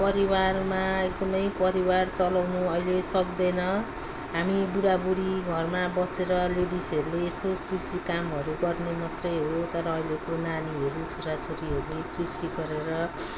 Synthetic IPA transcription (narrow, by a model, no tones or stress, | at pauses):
pʌɾiwarmaek̚d̪ʌmʌjpʌɾiwart͡sʌlawnuʌilesʌkd̪ʌjnʌ | ɦamibuɽabuɽiɡʱʌrmabʌseɾʌleɽisʌɾuleːsokrisikamɦʌɾuɡʌrnemat̪rʌjɦot̪ʌɾʌːilekonaniɦʌɾut͡sʰoɾat͡sʰoɾiɦʌɾulekrisiɡʌɾeɾʌ